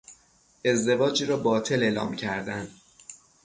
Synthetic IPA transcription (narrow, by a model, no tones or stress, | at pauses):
ʔe̞zd̪e̞vɒːd͡ʒiːɾɒːbɒːt̪ʰe̞le̞ːlɒ̰ːmcʰæɾd̪ænd̪